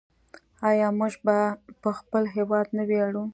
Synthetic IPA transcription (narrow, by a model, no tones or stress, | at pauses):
ɑjɑmuʒbapəxpəlɦewɑd̪naweaɽu